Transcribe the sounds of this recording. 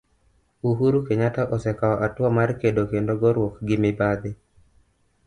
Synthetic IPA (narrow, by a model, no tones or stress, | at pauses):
uɦuɾukeɲataʔɔsɛkaɔʔatwamarkedokendoɡɔɾwokɡɪmɪbad̪ɪ